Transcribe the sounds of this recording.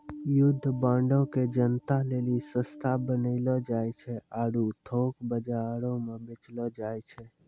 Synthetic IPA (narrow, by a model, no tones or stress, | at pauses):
jʊd̪ʱːbãːɳɖõked͡ʒənt̪alelisə̃st̪ʰabənəɪlɔd͡ʒajt͡ʃʰɛʔaɾut̪ʰoːkbəd͡ʒaɾõmebet͡ʃlɔd͡ʒaɛt͡ʃʰɛ